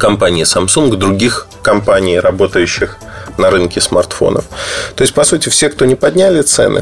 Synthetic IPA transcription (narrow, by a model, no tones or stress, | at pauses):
kɐmpanʲɪɪsɐmsuŋɡd̪ɾʊɡʲix | kɐmpanʲɪjrɐbo̞t̪əjʉɕːɪx | nɐɾɨnkʲɪsmɐ̰rt̪fo̞̰nə̰ft̪o̞ɪsʲt̚ʲpɐsutʲɪfsʲe̞kt̪o̞nʲɪpɐd̪ʲnʲælʲɪt̪sɛ̰nɨ̰